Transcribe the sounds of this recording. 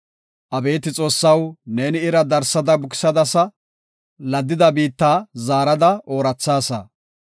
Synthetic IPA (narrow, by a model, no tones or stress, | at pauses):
ʔɐbe̞ːt̪ɪt͡sʼo̞ːsːɐwneːnɪɪɾɐd̪ɐɾsɐd̪ɐbʊkɪ̥sɐd̪ɐsɐ | lɐd̪ːɪd̪ɐbiːt̪ːaːzaːɾɐd̪ɐʔo̞ːɾɐt͡sːaːsɐ̰